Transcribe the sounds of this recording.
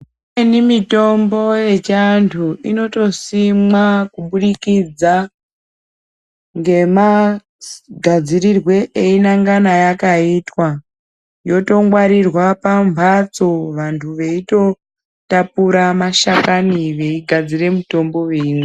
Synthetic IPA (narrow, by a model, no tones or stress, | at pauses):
enimito̞mbo̞je̞t͡ʃantʰuino̞to̞simwakuɓuɗikid͡za | ŋɡe̞ma | ɡʱad͡ziɾirwe̞ʔeinaŋɡanajakaitwa | jo̞to̞ŋɡwaɾirwapampat͡so̞ʋantʰuʋe̞ito̞ | tapuɾamaʃakaniʋe̞iɡʱad͡zire̞muto̞mbo̞wine